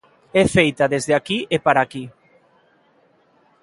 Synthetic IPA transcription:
ɛfejt̪aðezðeakiʔepaɾaki

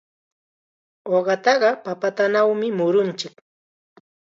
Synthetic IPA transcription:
oɢɑt̪ɑɢɑpapat̪anawmɪmʊɾʊnt͡ʃɪk

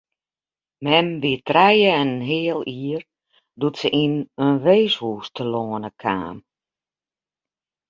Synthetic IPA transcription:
mɛmʋitrɛjəɛnənɦeːəlˠiːər | dutsəʔinənʋeːshuːstʰəloːənəkʰa̰ːm

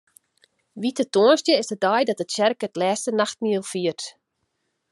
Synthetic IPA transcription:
ʋitətoənstjəɪsədɔjdɔtətʃɛrkətlɛːstənaxt̚miəlˠfiərt

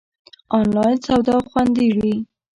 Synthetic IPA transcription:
ɑnlɑjnsawd̪ɑxwand̪iʐi

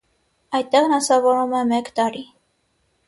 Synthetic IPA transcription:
ɑjt̪̚t̪ːɛʁnɑsɑvɔɾumɛmɛkt̪ɑɾi

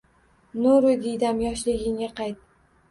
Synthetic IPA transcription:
nuɾʊd̪ijd̪amjɒʃlɪɡʲɪŋʲaqʰɑjt̪̚

